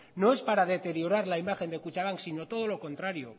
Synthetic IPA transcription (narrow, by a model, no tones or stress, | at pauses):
no̞e̞spaɾaðe̞t̪e̞ɾjo̞ɾaɾlaimaxe̞nd̪ekut͡ʃaβaŋksino̞t̪o̞ð̞o̞lo̞ko̞nt̪ɾaɾio̞